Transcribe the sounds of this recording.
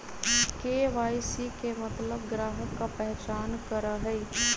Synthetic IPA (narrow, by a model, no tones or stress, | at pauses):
keːʋaːisikemɐt̪ləbɡɾaːɦəkːapɛɦt͡ʃaːnkəɾaɦɛi